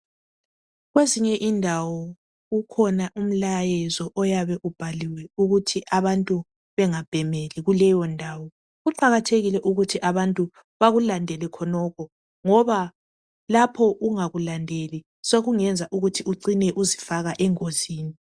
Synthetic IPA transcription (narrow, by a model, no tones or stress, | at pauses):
ɣweziɲɛʔindʱawɔ | ɣukʰɔnaʔum̩lajɛzɔʔɔjaβɛʔub̥ʱaliwɛuɣutʰiʔaβantʼu | βɛŋab̥ʱɛmeliɣulɛjɔndʱaːwɔ | ɣuǃaɣatʰeɣilɛʔuɣutʰiʔaβantʼu | βaɣulandʱɛlɛkʰɔnɔkʰɔ | ŋɔβa | lapʰɔʔuŋaɣulandʱeli | soɣuŋɛnd͡zʱaʔuɣutʰiuǀinɛʔuzifaɣaʔɛŋoziːni